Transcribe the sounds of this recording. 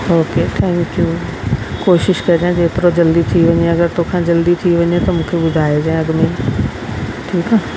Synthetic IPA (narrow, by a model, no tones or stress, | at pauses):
oːkeːʈ̪ʰɛ̃ːŋkju | koːʃɪʃkɐɾd͡ʒãd͡ʑeːp̪ɾod͡ʒɐld̪it̪ʰiʋɐ̃ɲẽɐɡəɾt̪oːkʰãd͡ʒɐld̪it̪ʰiʋɐ̃ɲẽt̪ɐmũːkʰebʊd̪ʱaːed͡ʒaẽɐɡmen | ʈʰiːkaː